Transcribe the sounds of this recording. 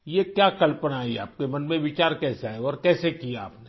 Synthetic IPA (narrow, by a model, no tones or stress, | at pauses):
jekjaːkɐlpənaːia̰ːp̚kemɐnmẽʋɪt͡ʃaːɾkɛːsaɦɛɔːɾkɛːsekijaːpne